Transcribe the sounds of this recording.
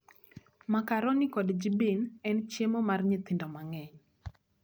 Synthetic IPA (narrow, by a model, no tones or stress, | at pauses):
makaɾɔnɪkɔdd͡ʒibinɛnt͡ʃjemɔmarɲɪt̪indɔmaŋɛɲ